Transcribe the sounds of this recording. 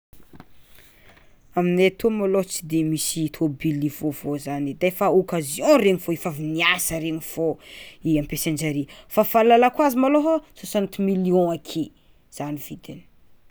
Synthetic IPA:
aminet̪omalot͡si̥d̪emisit̪ʰobilivovozanid̪afaokazjõɾeɲivoifaviniasəɾeɲiv̥oiãmpesenɳd͡ʒaɾifafalalakwazimaloɦososãnt̪umilijɔ̃akʰe | z̥anivid̪ini̥

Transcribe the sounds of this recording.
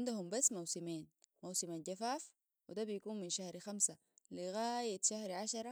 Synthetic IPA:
nd̪ahumbasːmawsimiːnmawsimanɟafaːf | wid̪abijkuːnminʃahɾxamsa | liɣaːjat̪ʃahɾʕaʃɑɾˤɑ

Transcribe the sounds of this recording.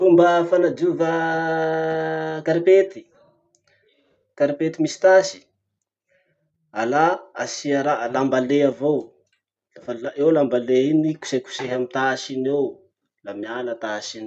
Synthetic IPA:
fumbəfanad͡ʒuvə | kaɾipet̪i̥ | kaɾipet̪imisi̥t̪asi̥ | alaasiaɾalambaleavow | lafalaewlambaleiniku̥seku̥seɦamit̪asinew | lamialət̪asin

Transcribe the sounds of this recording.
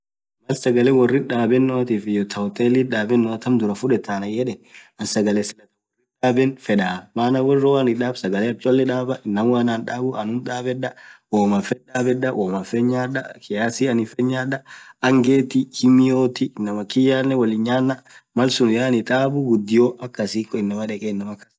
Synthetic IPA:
mɐlsɐɡɐlɛwɔrːɪnᶑaːbɛnːɔːt̪iːfɪjɔt̪ʰɐwt̪ʼeːliᶑaːbɛnːɔɐt̪ɐmd̪ʊɾɐfʊᶑɛt̪ːaːnɐjɛᶑɛɐnsɐɡɐlɛsɛlɐt̪ɐwwɔrːɪnᶑaːbɛnfɛᶑaːmaːnɐwɔrːɔwanɪᶑaːbsɐɡɐlɛɐt͡ʃʼɔlːɛᶑaːbɐʔɪnːɐmwaːnaːnᶑaːbʊʔɐnʊnᶑaːbɛᶑɐwoːmɐfɛᶑaːbɛᶑɐʔoːmɐfɛɲːaːᶑɐkɪjaːsɪɐnɪfɛɲːaːᶑɐɐŋɡeːt̪ɪkʰɪmɪjoːt̪ɪːnːɐmɐkɪjaːnːɛwɐlɪɲːaːnːɐmɐlsʊnjaːnɪt̪ʼaːbʊɡʊd̪ːɪjoʔɐkːɐsiːkʼːɔɪnːɐmɐᶑɛkʼɛɪnːɐmɐkːɐ̥s

